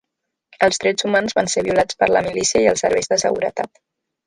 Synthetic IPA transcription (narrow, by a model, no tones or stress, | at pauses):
əlˠzðɾɛd͡zzumanzβanseβiulat͡spəɾləmilisiəiəlˠsə̰ɾβɛjzðəsə̰ɣṵɾə̰t̪a̰t̪